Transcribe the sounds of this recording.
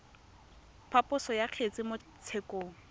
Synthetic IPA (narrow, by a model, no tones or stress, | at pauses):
pʰapʼʊsɔjaq͡χʰet͡sʼɪmʊ | t͡sʰekʼoːŋ̩